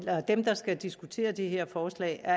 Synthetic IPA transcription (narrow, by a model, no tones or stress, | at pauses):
lɒd̥emd̥ɑ̈sɡ̥æd̥isɡ̥ut͡sʰe̝̰ːɐd̥eɦeɐ̰fɒːslɛ̰ːɪæɐ